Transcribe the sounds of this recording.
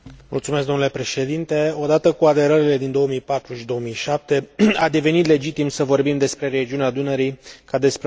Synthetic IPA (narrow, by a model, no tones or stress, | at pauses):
mṵlt̪sume̞skɡ̪d̪o̞mnulepɾe̞ʃe̞d̪int̪e̞o̞d̪at̪əkuad̪e̞ɾəɾile̞d̪ind̪o̞omijpat̪ɾuʃid̪o̞omijʃap̚t̪e̞ad̪e̞ve̞nit̪le̞d͡ʒit̪imsəvo̞rbimd̪e̞spɾe̞ɾe̞d͡ʒiunead̪unəɾijkad̪e̞spɾe